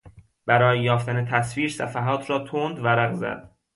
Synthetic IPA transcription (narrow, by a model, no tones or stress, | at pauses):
b̥æɾɒːjejɒːft̪ʰænet̪ʰæsviːɾsæfæɦɒːt̪ʰɾɒːt̪ʰond̪væɾæɣzæ̰d̪̥̚